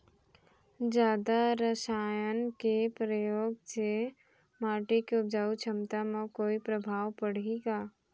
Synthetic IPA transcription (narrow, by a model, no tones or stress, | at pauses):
d͡ʒjaːd̪aɾəʃaːjənkepɾəjoːɡse | maːʈikeʊb̚d͡ʒaːut͡ʃʰəmt̪amãkoːipɾəbʱaːʋpəɽ̤eɡaː